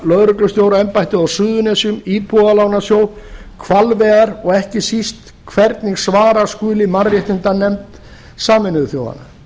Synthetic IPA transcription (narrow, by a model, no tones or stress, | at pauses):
lœðɾʏklʏst̪jowɾaɛmpajt̪ɪðawsʏːðʏnɛsʏmiːpʰualawnasjoːw | kʰvalvɛːɣaɾɔɣɛhcɪsist̪ | kʰvɛɾt̪niɣsvaːɾaskʏːlɪmaɾrjɛht̪ɪnt̪anɛmt̪ | saːmɪnʏθjo̰ːwa̰nːa